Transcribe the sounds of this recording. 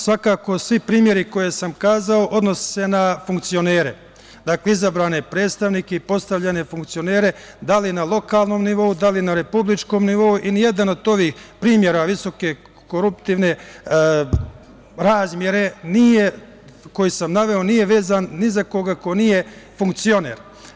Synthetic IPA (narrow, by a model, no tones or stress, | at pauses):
sʋakaːko̞sʋipɾiːmje̞ɾiko̞je̞samkaːzao̞ʔo̞d̪no̞sse̞nafuŋkt̪sijo̞ne̞ːɾe̞ | d̪aːkle̞izabɾaːnepɾeːd̪st̪aʋniːkeipo̞st̪aʋʎane̞fuŋkt̪sijo̞ne̞ːɾe̞ | d̪alinalˠo̞kaːlˠno̞mniʋo̞ud̪alinaɾe̞publit͡ʃko̞ːmniʋo̞uʔinije̞d̪ano̞d̪o̞ʋiːxpɾiːmje̞ɾaʋiso̞ke̞ | koɾupt̪iːʋne̞ | ɾaːzmje̞ɾe̞nije̞ | ko̞jisamnaʋeo̞nije̞ʋe̞ːzanːizako̞ɡako̞nije̞fuŋk̚t̪sio̞nḛɾ